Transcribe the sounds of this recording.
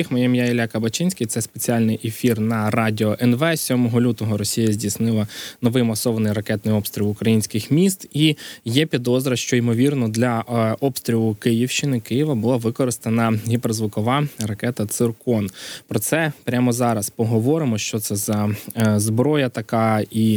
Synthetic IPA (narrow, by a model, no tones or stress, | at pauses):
ixmɔjɛmjailʲakɐbɐt͡ʃɪnʲsʲkɪjt̪sɛspet͡sʲiɑlʲnɪjʔefʲirnɐrɑdʲɪɔʔɛnʋɛsʲɔmɔɦɔlʲut̪ɔɦɔɾɔsʲijɐzʲdʲisnɪlˠɐnɔʋɪjmɐsɔʋɐnɪjrɐkɛt̪nɪjɔpst̪ɾʲilˠʊkɾɐjinʲsʲkɪxmʲist̪ijɛpʲid̪ɔzɾɐʃt͡ʃɔimɔʋʲirnɔd̪lʲɐʔɔpst̪ɾʲilˠʊkɪjiwʃt͡ʃɪnɪkɪjɪʋɐbʊlˠɑʋɪkɔɾɪst̪enɐɦʲipɛrzʋʊkɔʋɑrɐkɛt̪ɐt̪sɪrkɔnpɾɔt̪sɛpɾʲamɔzɑɾɐspɔɦɔʋɔɾɪmɔʃt͡ʃɔt̪sɛzɐzbɾɔjɐt̪ɐkɑi